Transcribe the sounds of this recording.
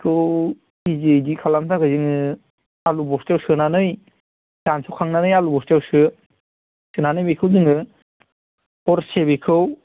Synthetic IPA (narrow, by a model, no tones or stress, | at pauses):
kʰɯw | izejdikʰalamtʰaɡɯjzɯŋɯ | alubɔstawsɯnanɯj | sansʰɔkʰaŋnanɯjalubɔstjawsɯ | sɯnanɯjmikʰɯwdɯŋɯ | ɔɾsebikʰɯw